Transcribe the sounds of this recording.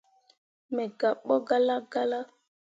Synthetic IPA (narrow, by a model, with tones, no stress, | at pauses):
mɛ˨ɡa˨ɓɔ˦ɡa˦la˦ɡa˦la˦